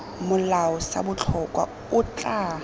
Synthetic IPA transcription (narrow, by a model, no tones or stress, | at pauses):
mʊlaɔsa̰bʊt͡ɬʰɔkʼwa̰ | ʊt͡ɬʼaː